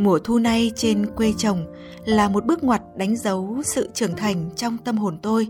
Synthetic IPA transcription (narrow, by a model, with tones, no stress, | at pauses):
mu˧˩ət̪ʰu˧na˧jt͡ɕe˧nkwe˧t͡ɕə˨˩wŋ͡m | laː˨˩mo˨˩t̚ɓɨ˦˥ək̚ŋwaː˨˩t̚ɗa˨˦jŋ̟zə˨˦wsɨ̰˧˨t͡ɕɨ˧˩əŋt̪ʰa˨˩jŋ̟t͡ɕɔ˧wŋ͡mt̪ə˧mɦo˨˩nt̪o˧j